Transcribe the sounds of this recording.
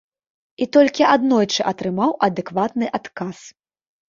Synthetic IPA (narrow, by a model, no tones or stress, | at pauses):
it̪ɔlʲkʲiʔad̪nɔjt͡ʂɨʔɐt̪ɾɨmawʔɐd̪ɛkvat̪nɨʔat̪kas